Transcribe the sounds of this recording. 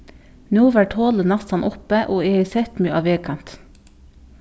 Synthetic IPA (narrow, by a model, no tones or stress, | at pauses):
nuːʋæʈʰoːlənɑsɑnʔʊpəʔoːeːiːsɛt̪myʔɑːʋeːkʰɑmt̪